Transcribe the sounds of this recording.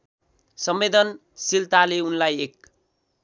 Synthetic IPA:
sʌmːed̪ʌn | silt̪aleunlajek̚

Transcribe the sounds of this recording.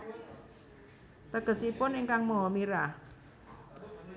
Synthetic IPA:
t̪əɡ̥ə̤sipʊnɪŋkaŋmoɦɔmiɾa

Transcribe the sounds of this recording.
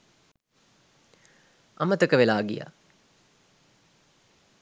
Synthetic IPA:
amət̪əkəʋelaːɡḭja̰

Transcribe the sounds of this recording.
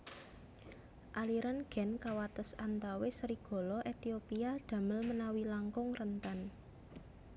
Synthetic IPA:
ʔaliɾanɡ̥ɛ̤nkawat̪ʊsant̪awesəɾiɡ̥ɔ̤lɔʔet̪iopiad̪̥ä̤məlmənawilaŋkʊŋrənt̪an

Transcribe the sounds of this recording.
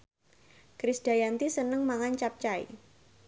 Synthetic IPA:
kɾɪsd̥ajant̪isənəŋmaŋant͡ʃap̚t͡ʃaḭ

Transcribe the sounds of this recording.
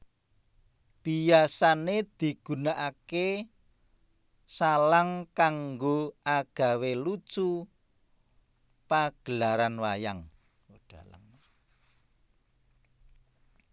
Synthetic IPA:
b̥ijasaned̪̥i̤ɡ̥ṳnaʔake | salaŋkaŋɡoʔaɡ̥a̤welut͡ʃu | paɡ̥əlaɾanwajaŋ | d̪̥a̤la̰m

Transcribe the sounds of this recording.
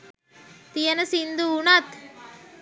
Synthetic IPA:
t̪ijɐnɐsind̪uːnat̪

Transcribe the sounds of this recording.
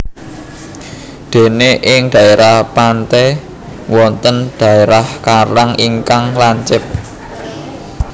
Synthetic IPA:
d̪̥e̤neʔɪŋd̪̥ä̤eɾahpant̪ɛ | wɔnt̪ənd̪̥ä̤eɾahkaɾaŋiŋkaŋlaɲt͡ʃɪp̚

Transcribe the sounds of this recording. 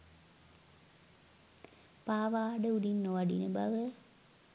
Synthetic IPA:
paːʋaːɖəuɖinːoʋaɖḭnəba̰ʋə

